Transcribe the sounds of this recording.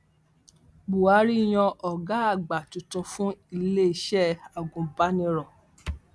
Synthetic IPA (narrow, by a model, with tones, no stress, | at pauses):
ɡ͡bu˨a˨˦ɾi˦˨j̃ɔ̃˧ʔɔ˨ɡa˨˦a˦˨ɡ͡ba˨tũ˨tũ˧fũ˦i˧le˦i˧ʃɛ˦˨a˨ɡũ˨ba˦nĩ˧ɾɔ˨